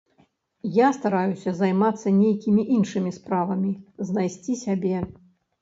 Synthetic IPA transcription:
jast̪aɾajusʲɐzajmat̪sːɐnʲejkʲimʲiʔinʂɨmʲispɾavɐmʲiznajsʲt͡sʲisʲabʲɛ

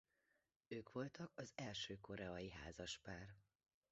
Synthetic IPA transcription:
øːkʋo̞lt̪ɒkɒzɛlʃøːko̞ɾɛɒjiɦa̰ːzɒʃpaːr

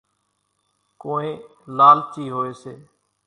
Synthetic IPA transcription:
koːẽːlaːlt̪ʰiːɦoːeːseː

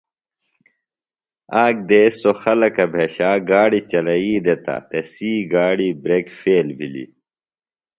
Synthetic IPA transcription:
aːk̚d̪eːsoxɐlɐkɐbʱeɕaːɡaːɽit͡ɕɐlɐiːd̪et̪ɐ̰t̪esiːɡaːɽibɾeːkfeːlbʱilḭ

